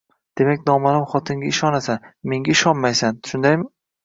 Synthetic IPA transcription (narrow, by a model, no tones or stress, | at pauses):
d̪̥e̞makʲnɒmalɪmχɒt̪ʰɪŋɡʲaɪʃɒnasame̞ŋɡʲaɪʃɒnmajsanʃʊnd̪ajmɪ